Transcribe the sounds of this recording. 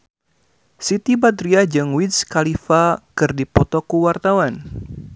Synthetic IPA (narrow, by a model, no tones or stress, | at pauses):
sit̪ibad̪ɾiad͡ʒɨŋwiskalifakɨrdipɔt̪ɔkuwart̪awan